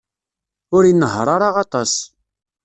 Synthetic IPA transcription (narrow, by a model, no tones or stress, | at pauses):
ʊɾinːəɦɾˤɑɾˤaʁɑt̪ˤɑs